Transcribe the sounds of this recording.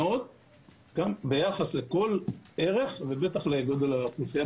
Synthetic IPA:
od̪̚ | ɡ̥ambejaχasle̞ko̞le̞ʁe̞χve̞be̞t̪aχleɡod̪olaknisija

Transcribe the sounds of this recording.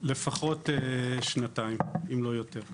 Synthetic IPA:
lefaχo̞teʃnataimimlo̞joteʁ

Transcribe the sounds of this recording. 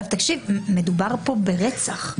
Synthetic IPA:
vt̪akʃivme̞dubaʁpo̞beʁet͡saχ

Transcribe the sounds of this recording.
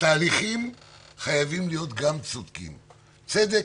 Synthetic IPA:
t̪aːliχim | χajavimlijo̞t̪ɡamt͡sud̪kḭm | t͡sed̪e

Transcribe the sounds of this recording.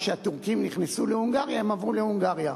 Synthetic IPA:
ʃeat̪uʁkimniχnesulehuŋɡaʁjaemavʁulehuŋɡaʁja

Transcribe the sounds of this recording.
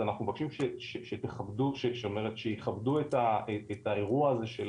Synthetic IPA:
anaχnumevakiʃimʃeʃeʃeteχabduʃeʃeome̞ʁetʃeiχabduetaeetaeʁuaːze̞ʃel

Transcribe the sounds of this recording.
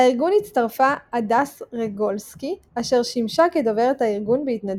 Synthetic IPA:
aiʁɡunitt͡staʁfaːdasʁeɡo̞lski | aʃe̞ʁʃimʃakedove̞ʁethaiʁɡunbehitnad

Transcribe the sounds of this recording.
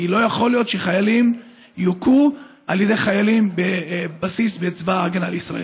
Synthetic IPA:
ilo̞jaχo̞lijo̞t̪ʃeχajalim | juku | ʔaljede̞χajalimbebasisbet͡svaːɡanaleisʁaʔḛ

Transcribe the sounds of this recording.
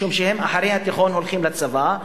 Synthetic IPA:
umʃehe̞maħaɾejhat̪iχo̞nɦo̞lχimlat͡sava

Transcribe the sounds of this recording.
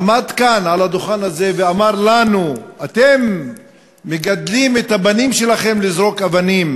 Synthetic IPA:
mad̪kanʕalad̪oχanaze̞veamaʁlanuat̪e̞mː | eɡad̪limet̪abanimʃe̞laχe̞mlizʁo̞kavanim

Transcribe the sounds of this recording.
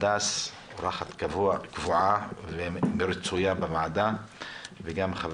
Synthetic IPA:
d̪as | ɾˤɑxat̪kavuakvuʕavemɪɾt͡sujabɪmaʕd̪a | veɡamχav

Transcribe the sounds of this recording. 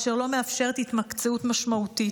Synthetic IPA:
ʃeʁlo̞meafʃe̞ʁet̪it̪mak̪t͡seut̪maʃmaut̪i

